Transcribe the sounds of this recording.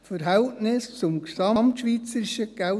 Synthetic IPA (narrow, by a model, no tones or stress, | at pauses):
fəɾɦɛltnɪst͡sʊmksɑmtʃʋiːt͡səɾɪʃəɡ̥æ